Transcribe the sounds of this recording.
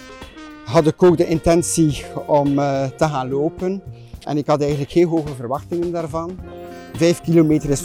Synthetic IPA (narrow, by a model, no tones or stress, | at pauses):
ɦɑdɪkoːɡ̚dəʔɪntɛnsiɔmtəɣaːnloːpən | ɛ̰nɪkhɑtɛjɣənləkheːlˠɦoːɣəvərʋɑxtɪŋəndaːrvɑn | vɛjfkilomeːtəɾɪs